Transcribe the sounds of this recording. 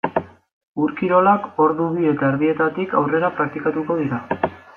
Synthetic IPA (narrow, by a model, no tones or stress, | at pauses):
uɾkiɾo̞lako̞ɾðuβie̞t̪aeɾðie̞t̪at̪ikawre̞ɾapɾak̚t̪ikat̪uko̞ð̞iɾa